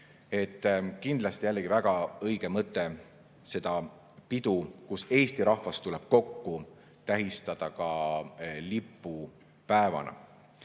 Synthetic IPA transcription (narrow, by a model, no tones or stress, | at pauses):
e̞t̪ːˑkind̪lɑst̪ijælːeɡ̥ivæɡ̥ɑɤjɡ̥e̞mɤt̪ːˑe̞ | se̞d̪̥ɑ | pid̪̥ukuse̞ːst̪iɾɑhvɑst̪uleb̥̚ko̞kːu | t̪æɦist̪ɑd̪̥ɑkɑ | lipːˑu | pæevɑ̰nɑ̰